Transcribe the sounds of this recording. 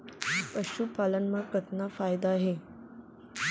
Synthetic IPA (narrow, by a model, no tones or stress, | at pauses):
pəɕupalənmakət̪nafajd̪aːɦe